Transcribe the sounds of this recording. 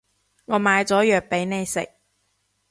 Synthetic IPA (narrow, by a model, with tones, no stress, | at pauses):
ŋɔː˨˧˥maː˨˧jt͡sɔː˨˥jœː˨k̚pe˨˥jne˨˧jsɪ̰˨k̚